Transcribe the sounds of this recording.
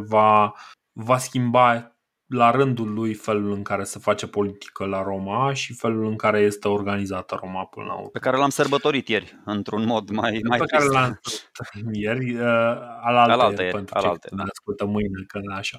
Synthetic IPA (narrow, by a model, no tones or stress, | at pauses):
va | vaskʲimba | laɾɨnd̪ulːujfe̞lulɨŋkaɾe̞sefat͡ʃe̞po̞lit̪i̥kəlaɾomaʃife̞lulɨŋkaɾe̞je̞st̪e̞o̞rɡanizat̪əɾo̞mapɨnə̰la̰ṵrpekaɾe̞lamsərbət̪o̞ɾit̪jeɾʲɨnt̪ɾunmod̪majajpekaɾelamt̪jerʲəalaləjepent̪ɾt͡ʃeaskult̪əmɨjnekəaʃa